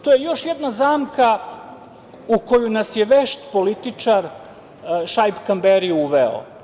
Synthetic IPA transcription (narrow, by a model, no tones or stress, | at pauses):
t̪o̞jejo̞ʃjed̪nazaːmka | uko̞junasjeʋeʃt̪polit̪it͡ʂaɾ | ʃajpkambeɾiuʋeo̰